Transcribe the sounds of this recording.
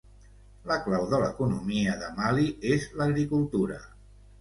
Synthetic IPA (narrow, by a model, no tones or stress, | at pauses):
ləklawðələ̰kunumiəðəmaliezləɣɾikulˠt̪uɾə̰